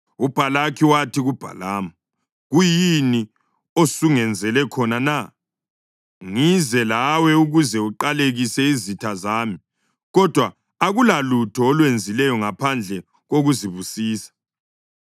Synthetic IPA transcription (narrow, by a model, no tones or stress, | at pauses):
ub̥ʱalakʰiwatʰiɣub̥ʱa̰laːma | ɣujini | osuŋɛnd͡zʱɛlɛkʰɔnana | ŋizɛlawɛuɣuzɛuǃaleɣisɛizitʰazaːmi | ɣɔd̥ʱwa | aɣulalutʰɔːlwend͡zʱilɛjɔŋapʰand͡ɮʱɛ | ɣoɣuziβusiːsḁ